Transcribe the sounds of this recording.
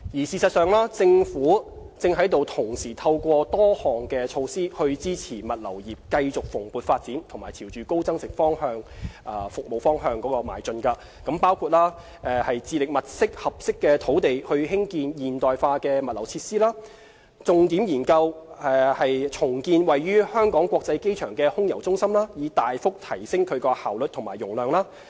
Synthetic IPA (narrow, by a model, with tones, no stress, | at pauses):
jiː˨˩siː˨˧sɐ˨t̚sœː˨ŋlaː˥t͡sɪ˧ŋfuː˨˥ | t͡sɪ˧ŋɦɐ˨˥jt̪o˨wt̪ʰʊ˨˩ŋsiː˨˩t̪ʰɐ˧wkʷɔː˧t̪ɔː˥hɔː˨ŋkɛ˧t͡ʃʰo˧wsiː˥hɵ˧ɥt͡siː˥t͡sʰiː˨˩mɐ˨t̚lɐ˨˩wjiː˨p̚kɐ˧jt͡sʊ˨k̚fʊ˨˩ŋpuː˨˧t̚faː˧t̚t͡siː˨˥nt̪ʰʊ˨˩ŋmaː˨˩jt͡sʰiː˨˩wt͡ʃyː˨˩ko˥wt͡sɐ˥ŋsɪ˨˩ŋfɔː˥ŋhœː˧ŋaː˨˧fʊ˨k̚mo˨wfɔː˥ŋɦœː˧ŋkɔː˨˥kɔː˧ma̰ː˨˩jt͡ʃɵ˧nkɐː˧ | kɐ˨˥mpaː˥wkʰuː˧t̚laː˥ | ɛ˧hɐ˨jt͡siː˧lɪ˨k̚mɐ˨t̚sɪ˥k̚hɐ˨p̚sɪ˥kːɛː˧t̪ʰo˨˥wt̪e˨jhɵ˧ɦɪ˥ŋkiː˧njiː˨nt̪ɔː˨˩jfaː˧kɛː˧mɐ˨t̚lɐ˨˩wt͡sʰiː˧t̚siː˥laː˥ | t͡sʊ˨˧ŋt̪i˨˥mjiː˨˩nkɐ˧wɛ˧hɐ˨jt͡sʰʊ˨˩ŋkiː˧nwɐ˨jɥyː˥hœː˥ŋkɔː˨˥ŋkʷwɔː˧k̚t͡sɐ˧jke˥jt͡ʃʰœː˨˩ŋkɛː˧hʊ˥ŋjɐ˨˩wt͡sʊ˥ŋsɐ˥mlaː˥jiː˨˧t̪aː˨jfʊ˥k̚t̪ʰɐ˨˩jsɪ˥ŋkʰɵ˨˧ɥkɔː˧haː˨˩wlɵ˨t̪ʰʊ˨˩maː˨˩jʊ˨˩ŋlœː˨ŋlaː˥